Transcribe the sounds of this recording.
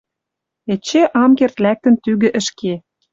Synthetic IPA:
et͡ɕeʔɑmkert̪læk̚t̪ə̆nt̪yɣɘ̆ʔə̆ʃke

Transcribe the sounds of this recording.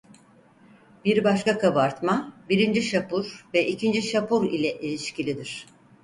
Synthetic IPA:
biɾbaʃkakʰabaɾt̪mabiɾind͡ʒiʃapuɾvɛʔicʰind͡ʒiʃapuɾilʲɛʔelʲiʃcilʲid̪iɾ̥

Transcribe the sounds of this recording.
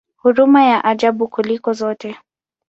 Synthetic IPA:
huɾumajaʔaʄaɓukulikɔzɔtɛ

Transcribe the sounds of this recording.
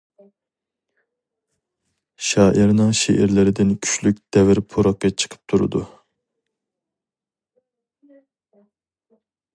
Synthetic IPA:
ʃɑːʔiɾnɨŋʃḛʔɪɾlɪɾɪd̪ɪnkʲʰy̥ʃlyk̚ʲd̪̥ɛvɪɾpʰuɾɑq̚ːɑt͡ʃʰə̥qʰə̥p̚t̪ʰuɾɨ̰d̪u

